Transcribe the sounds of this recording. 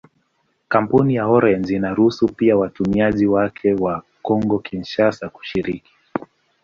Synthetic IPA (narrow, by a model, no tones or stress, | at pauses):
kampunijahɔɾɛnzinaɾuhusupiawatumiaʄiwakʰɛwa | kɔŋɡɔkʰinʃasaku̥ʃiɾiki̥